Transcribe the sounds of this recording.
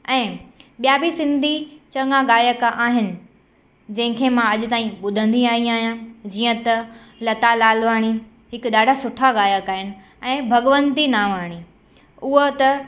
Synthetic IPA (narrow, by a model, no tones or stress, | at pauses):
ɛ̃ːɓijabʱisɪ̃nd̪ʱit͡ɕɐ̃ŋɡaɡaːjəkaːɦɪnɪ̆ | d͡ʑɐ̃ɦɪ̃kʰemãɐʄʊt̪aːĩɓʊd̪ʱə̃nd̪iaːĩaːɦijãd͡ʑiːə̃t̪ɐ | lɐt̪alaːlʋaːɽ̃i | ɦɪkɗaːɖʱasʊʈʰaɠaːjəkaːɦɪnɪ̆ | ɛ̃ːbʱɐɠʋə̃nt̪inaːʋaːɽ̃i | ʊɦot̪ɐ